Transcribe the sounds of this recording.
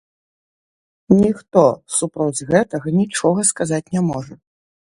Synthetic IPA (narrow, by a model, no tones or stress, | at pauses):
nʲixt̪ɔsupɾɔd͡zʲɣɛt̪ɐɣɐnʲit͡ʂɔɣɐskazat͡sʲnʲɛmɔʐɐ